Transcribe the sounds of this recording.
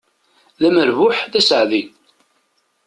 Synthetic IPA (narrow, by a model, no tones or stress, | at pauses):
ðæməɾvʊħðæsəʕði